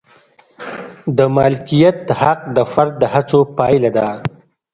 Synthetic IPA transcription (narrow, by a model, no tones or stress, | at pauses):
d̪əmɑlkijat̪̚d̪əhaq̚d̪əfaɾd̪̚ːəhat͡sopɑjlad̪a